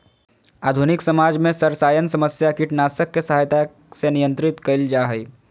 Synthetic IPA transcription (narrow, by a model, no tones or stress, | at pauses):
aːd̪ʱunɪksɐmaːd͡ʒmẽsɐɾsaːjənsɐməsjakiʈnaːsəkːesɐɦaːjt̪a | senijə̃nt̪ɾɪt̪kɐɪld͡ʒaːɦəi